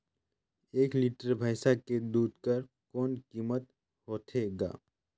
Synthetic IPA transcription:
eːkliʈəɾbʱaːɪsaked̪uːd̪̚ʱkəɾ | kɔːnkiːmət̪ | hoːt̪ʰeɡa̰ː

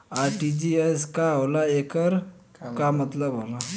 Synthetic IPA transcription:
aɾʈid͡ʑieskaːwlaekəɾ | kamət̪ləbɦola

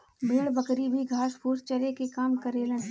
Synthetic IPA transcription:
bʱeːɽbɐkɾibʱiɡʱaːʃpʰuːɾst͡ʃɐɾekekaːmkɐɾeɾɐɦ

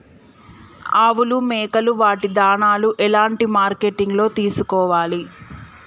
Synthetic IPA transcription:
aːʋulumɛːkɐluʋaːʈid̪aːɳaːluʔɛlaːɳʈimaːɾkeʈiŋɡlo̞ːt̪iːsukɔːʋaːli

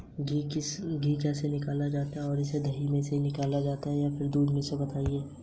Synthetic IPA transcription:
ɡikɪɡiːkɛːsenɪkaːlad͡ʒaːt̪aɦɛɔːɾɪsed̪ʱɐɦimẽseinɪkaːlad͡ʒaːt̪aɦɛjapʰɪɾd̪uːd̪mẽsebɐt̪aːieː

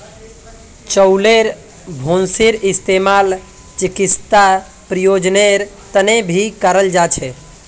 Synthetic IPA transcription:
t͡ʃəʊleɾ | bʱonsiɾist̪emal | t͡ʃikist̪a | pɾijod͡ʒneɾ | t̪ənebʱikəɾəld͡ʒat͡ʃʰɛ

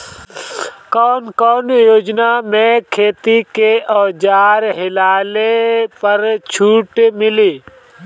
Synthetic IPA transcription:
kɔːnkɔːnjoːd͡ʒnamẽkʰeːt̪ikeʔɔːd͡ʒaːɾɦɪlaːlepəɾt͡ʃʰuːʈmɪliː

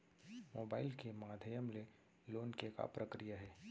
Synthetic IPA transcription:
moːbaːɪlkemaːd̪ʱəjəmle | loːnkeka̰pɾəkɾijaɦɛː

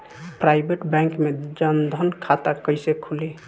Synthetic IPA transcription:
pɾajbeʈbɛ̃ŋkmed͡ʒənd̪ʱənkʰat̪akəjsekʰuli

